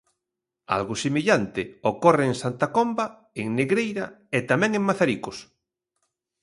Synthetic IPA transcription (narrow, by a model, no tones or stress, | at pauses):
a̰lɣʊsemiʎant̪ɪokoreːŋsant̪akomba | eŋneɣɾejɾaet̪amɛ̃ŋẽŋmaθaɾikos